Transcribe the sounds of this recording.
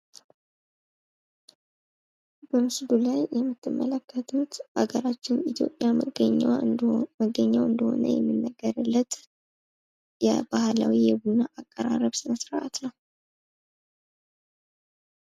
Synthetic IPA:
bəmɨsd̪ulajːɛmːɨt̪ʰːɨmːələkʰːət̪ʰut̪ʔa̰ɡəɾat͡ʃːɪnit̪ʰjo̞̰pʼːjaɡəɲ | məɡəɲːawɨnd̪əho̰nə̰jɛ̰mːɨnːəɡːəɾɨlːət̪ | jɛ̰bahlawijɛbunːaʔakʼːəɾarəβsɨnəsɾəʔat̪nəw

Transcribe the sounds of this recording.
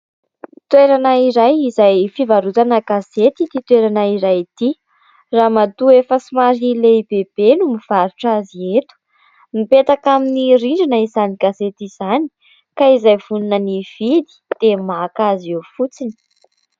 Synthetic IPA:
t̪weɾanaiɾajizajfivaɾut̪anəɡaset̪it̪it̪weɾanaiɾajt̪i | ramat̪uefəsimaɾileibeb̥enumiv̥aɾuʈ͡ʂaziet̪u̥ | mipet̪akaminiriɳɖ͡ʐanəizaniɡ̥azet̪iz̥ani̥ | kaizajvununəniv̥id̪i̥d̪̥emakaziewfut͡sini̥

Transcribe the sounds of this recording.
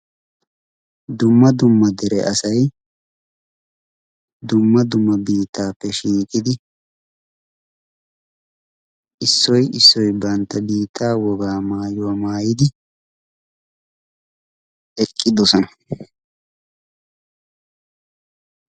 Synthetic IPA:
d̪ʊmːɐd̪ʊmːɐd̪ɛɾɛʔɐsɐj | d̪ʊmːɐd̪ʊmːɐbiːt̪ːaːpːɛʃiːkʼɪd̪ɪ | ʔɪsːɔjɪsːɔjbɐnt̪ːɐbiːt̪ʰːaːwɔɡaːmaːjʊwamaːjɪd̪ɪ | ɛkʼːɪd̪ɔsɔnɐ

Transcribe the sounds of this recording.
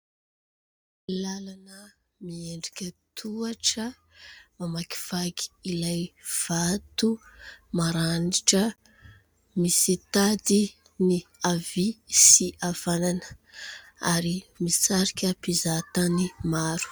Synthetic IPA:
lalanə | mieɳɖ͡ʐikʲət̪ʰuaʈ͡ʂə | mamaki̥v̥aɡi̥ilajv̥at̪umaɾaniʈ͡ʂə | misit̪ad̪i | niavisiav̥ananə̥ | aɾimit͡saɾikʲəpizat̪animaɾu̥

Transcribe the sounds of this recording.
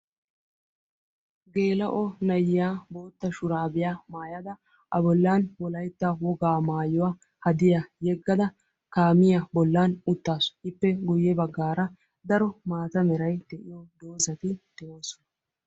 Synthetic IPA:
ɡe̞ːlɐʔɔnɐjɪjaːbo̞ːt̪ːɐʃʊɾaːbɪjaːmaːjɐd̪ɐ | ʔɐbɔlːaːnwɔlɐjt̪ːawɔɡaːmaːjʊwa | hɐd̪ɪjajɛɡːɐd̪ɐ | kaːmɪjabɔlːaːnʊt̪ːaːsɔ̥ʔɪpːɛɡʊjːɛbɐɡːaːɾɐ | d̪ɐɾɔmaːt̪ɐmɛɾɐjd̪ɛʔɪjɔd̪oːzɐt̪ɪd̪̥ɛoːsɔ̥n

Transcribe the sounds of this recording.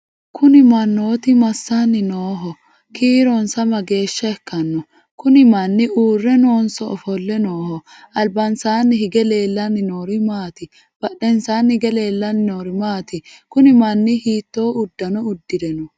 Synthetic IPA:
kʰʊnɪmɐnːoːt̪ɪmɐsːanːɪnoːɦɔ | kiːɾɔnsɐmɐɡe̞ːʃːɐɛkːɐnːɔ | kʊnɪmɐnːɪuːrːɛnoːnsɔɔfɔlːɛnoːhɔ | ɐlbɐnsaːnːɪhɪɡɛle̞ːlːɐnːɪnoːɾɪmaːt̪ɪ | b̥ɐɗːɛnsaːnːɪɡɛle̞ːlːɐnɪnoːɾɪmaːt̪ɪkʊnɪmɐnːɪhiːt̪ːo̞ːʊd̪ːɐnɔʊd̪ːɪd̪ɛnɔ

